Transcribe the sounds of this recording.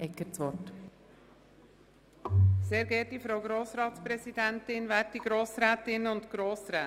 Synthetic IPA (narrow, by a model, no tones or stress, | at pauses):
ɛkːət͡sʋɔɾt | seːɾɡɛːtifɾowɡɾoːsɾɑːt̪spɾɛsid̪æntɪnʋæːɾtiɡ̥ɾoːsɾæːtɪnʊnt̪ɡ̥ɾoːsɾæː